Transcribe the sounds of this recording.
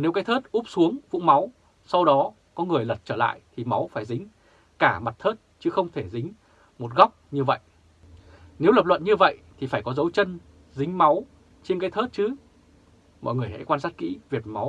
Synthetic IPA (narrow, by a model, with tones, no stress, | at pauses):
ne˨˦wka˨˦jt̪ʰəː˦˥t̚ʔu˦˥p̚su˨˦əŋvʊ̰˧˥ŋ͡mma˨˦w | sa˧wɗɔ˨˦ | kɔ˨˦ŋɨ˨˩əjlə˨˩t̚t͡ɕəː˧˩la̰ː˧˨jt̪ʰi˨˩ma˨˦wfaː˧˩jzï˨˦ŋ̟ | kaː˧˩ma˨˩t̚t̪ʰəː˦˥t̚t͡ɕɨ˨˦xə˧wŋ͡mt̪ʰe˧˩zï˨˦ŋ̟ | mo˨˩t̚ɣa˦˥wk͡p̚ɲɨ˧və̰˧˨j | ne˨˦wlə˨˩p̚lwə̰˧˨nɲɨ˧və̰˧˨jt̪ʰi˨˩faː˧˩jkɔ˨˦zə˨˦wt͡ɕə˧n | zï˨˦ŋ̟ma˨˦w | t͡ɕe˧nkaː˨˦jt̪ʰəː˦˥t̚t͡ɕɨ˨˦ | mɔ̰˧˨jŋɨ˨˩əjhə̰˧˥jkwaː˧nsaː˦˥t̚kḭ˧˥vi˨˩əp̚ma˨˦w